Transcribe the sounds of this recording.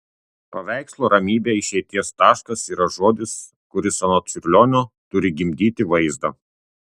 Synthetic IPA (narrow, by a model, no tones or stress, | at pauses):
pɐʋʲæˑɪkslˠoːɾɐmʲiːbʲeɪʃʲɛɪt̪ʲiɛst̪ɑːʃkɐsiːɾɐʒoːd̪ʲɪs | kʊɾʲɪsɐnoːt̪sʲɪɾʲlʲoːnʲoːt̪ʊɾʲɪɡʲɪmʲd̪ʲiːt̪ʲɪʋɐɪzd̪ɐ